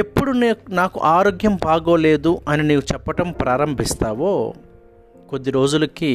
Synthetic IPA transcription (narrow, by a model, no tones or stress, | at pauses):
e̞pːuɽunnaːkuʔaːɾoːɡjɐmbaːɡoːle̞ːd̪uɐniniːkut͡ʃɛpːɐʈɐmpɾʔaːɾɐmbʱist̪aːʋoː | ko̞d̪ːiɾo̞ːd͡ʒulɐki